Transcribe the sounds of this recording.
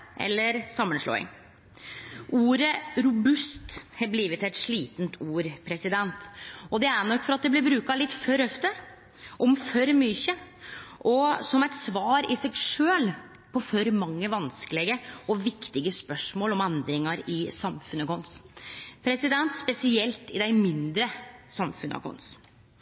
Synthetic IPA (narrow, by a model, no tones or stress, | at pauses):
ʔɛ̰lːəɾsɑmːənʂlo̰ːɪ̰ŋ | uːɾəɾʊbʉst̪hɑbliːʋət̪ɛt̪ʂɭiːt̪nt̪ʰuːɾpʰɾɛsɪd̪ɛnt̪ɔd̪ɛæɳɔkːfɔɾɑt̪̚d̪ɛblɪɾbɾʉːkɑlɪt̪ːfœɾɔft̪ə | ʔɔmfœɾmʏçəʔɔsɔmɛt̪sʋɑːɾɪsɛɡʂøːl | pʰɔfœɾmɑŋːəʋɑnskəlɛɡəʔɔʋɪkt̪ɪɡəspœʂmoːlɔmɛnd̪ɾɪŋɑɾɪsɑmfʉnəkʊnspʰɾɛsɪd̪ɛnt̪spɛsɪɛlt̪ɪd̪æɪmɪnd̪ɾəsɑmfʉnʔɑ̰kʰɔ̰ns